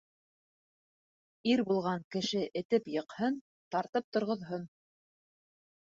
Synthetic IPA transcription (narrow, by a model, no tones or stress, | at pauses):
iɾbulˠʁɑŋkɘ̆ʃɘʔɘ̆t̪ɘpjɤ̆qhɤn | t̪ɑɾt̪ɤp̚t̪ŏɾʁŏðɦon